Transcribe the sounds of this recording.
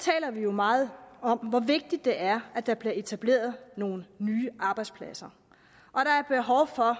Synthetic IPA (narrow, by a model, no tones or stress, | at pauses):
t͡sʰɛ̰ːlɐʋijo̝mɑ̈ːð̩ˠɒ̽m̰ʋɒʋe̝ɡ̥̚d̥id̥ːe̝ʔæɐæd̥ɑ̈b̥liɐe̝t͡sʰæb̥le̝̰ːɐð̞̩ˠno̝ːn̩ːyːʔɑ̈ːb̥ɑ̈ɪd̥spʰlæsɐ | ʔɒ̽ɾ̥ɑ̈æɐb̥e̝ɦɒʊfɒ̽